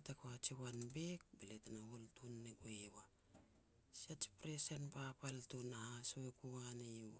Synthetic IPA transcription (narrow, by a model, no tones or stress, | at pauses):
atakoat͡ʃiwanbek̚beletanaholtunːeɡoewa | siat͡ʃi̥pɾesenpapaltunahasoekuanejwa